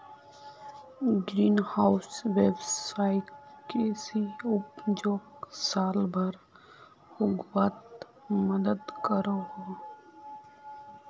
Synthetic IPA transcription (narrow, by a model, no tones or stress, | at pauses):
ɡɾiːnhaːʊsʋebsaːɪʈkesiʊpd͡ʒoːksaːlbʱəɾ | hʊɡwat̪ | məd̪əd̪kəɾohoː